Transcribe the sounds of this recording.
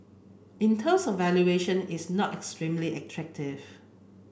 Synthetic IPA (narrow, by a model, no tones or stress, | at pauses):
ĩntʰə̃msɔfvɛljueʃə̃nɪsnɔtɛkstɹĩmliʔɛtʰɹɛk̚tʰɪv